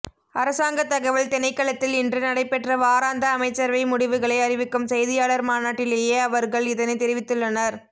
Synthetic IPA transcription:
ɐɾɐsaːŋɡɐt̪ːɐɣɐʋɪɭt̪ɛnɐɪkːɐɭɐt̪ːɪlɪndrɯnɐɽɐɪpɛʈrɐʋaːɾaːnd̪ɐːmɐɪt͡ʃːɐɾʋɐɪmʊɽɪʋɯɣɐɭɐɪɐɾɪʋɪkːɯmsɛjðɪjaːɭɐɾmaːnaːʈːɪleːjeːɐʋɐɾɣɐɭɪðɐnɐɪt̪ɛɾɪʋɪt̪ːɯɭːɐnɐɾ

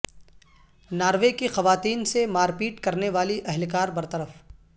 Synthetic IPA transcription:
naːɾʋekexɐʋaːt̪iːnsemaːɾpiːʈkɐɾneʋaːliʔɛɦlkaːɾbɐɾt̪ɐɾəf

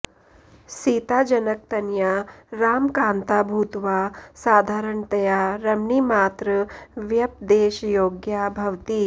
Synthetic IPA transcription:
siːt̪aːd͡ʒɐnɐk̚t̪ɐnjaːɾaːmkaːnt̪aːbʱuːt̪ʋaːsaːd̪ʱaːɾɐɳt̪ɐjaːɾɐmɳimaːt̪ɾɐʋjɐp̚d̪eːʃɐjoːɡjaːbʱɐʋt̪i

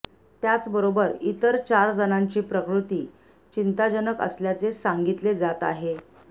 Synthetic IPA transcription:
t̪jat͡sbəɾobəɾit̪əɾt͡ɕaɾd͡zənaɲt͡ɕiːpɾəkɾut̪iː | t͡ɕint̪ad͡ʑənəkə̰sljat͡sesaŋɡit̪led͡zat̪a̰ɦe

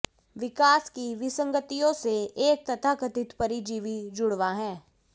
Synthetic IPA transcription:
ʋɪkaːskiʋɪsə̃ŋɡət̪ijõseeːk̚t̪ɐt̪ʰakɐt̪ɪt̪pɐɾid͡ʒiːʋid͡ʒʊɽʋaɦɛ̃ː

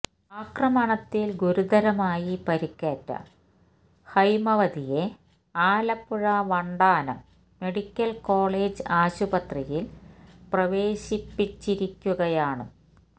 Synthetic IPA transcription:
aːkrɐmɐɳɐt̪ːilɡuɾud̪ɐɾɐmaːjipɐɾikːeːtːɐ̰ | hɐjmɐʋɐd̪ije̞ | aːlɐpːuɻɐʋɐɳɖaːnɐmː | e̞ɽikʲːɐlko̞ːɭeːd͡ʑɨaːɕubɐt̪rijilprɐʋe̞ːɕipːit͡ɕːiɾikʲːuɣɐjaːɳɨ

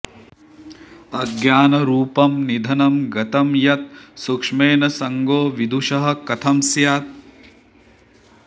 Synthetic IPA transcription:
ɐɡjaːnɐɾuːpɐmnid̪ʱɐnɐmɡɐt̪ɐmjɐt̪̚sukʂmeːnɐsɐŋɡoːʋid̪ʱuʂɐɦɐ̆kɐt̪ʰɐmsjaːt̪̚

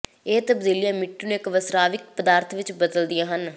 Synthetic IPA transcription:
eːt̪əbd̪iːlijãːmɪʈːiːnũːɪkʋəsɾaːʋɪk̚pəd̪aːɾt̪ʰʋɪt͡ʃbəd̪əld̪ijãːɦən

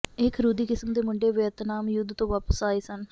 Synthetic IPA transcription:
ɪkʰɾuːd̪iːkɪsəmd̪eːmʊɳɖeːʋɪət̪naːmjʊd̪t̪õːʋaːpəsaːiːsən

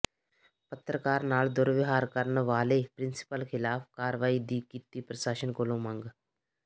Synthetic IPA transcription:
pət̪ɾəkaːɾnaːld̪ʊɾʋɪɦaːɾkəɾnʋaːleːpɾɪ̃nsɪ̥pəlkʰɪlaːfkaːɾʋaːid̪iːkit̪iːpɾəsaːʃənkolõːmə̃ŋɡ

